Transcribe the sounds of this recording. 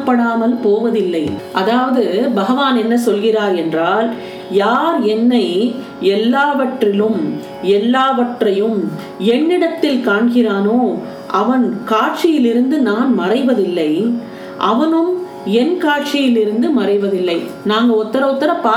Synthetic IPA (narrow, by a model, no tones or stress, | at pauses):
pːɐɽaːmɐlpoːʋɐðɪlːɐɪʔɐðaːʋɐðɯbɐɣɐʋaːnɛnːɐsɔlɣɪraːɾɛndraːl | jaːɾɛnːɐɪ | ɛlːaːʋɐʈrɪlɯm | ɛlːaːʋɐʈrɐjɯm | ɛnːɪɽɐt̪ːɪlkaːɳɣɪraːnoː | ʔɐʋɐnkaːʈ̚t͡ʃɪjɪlɪɾɯnd̪ɯnaːnmɐrɐɪʋɐðɪlːɐɪ | ʔɐʋɐnɯm | ɛnkaːʈ̚t͡ʃɪjɪlɪɾɯnd̪ɯmɐɾɐɪʋɐðɪlːɐɪ | naːŋɡɐɔt̪ːɐɾɐɔt̪ːɐɾɐpːaː